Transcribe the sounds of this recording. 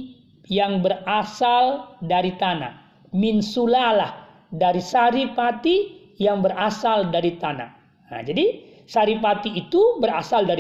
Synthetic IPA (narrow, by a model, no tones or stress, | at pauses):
jaŋbərasaldaɾit̪ana̰ʔ | minsulalah | daɾisaɾipat̪i | jaŋbəɾasaldaɾit̪ana̰ | a̰d͡ʒadi | saɾipat̪iːt̪ubəɾasaldaɾi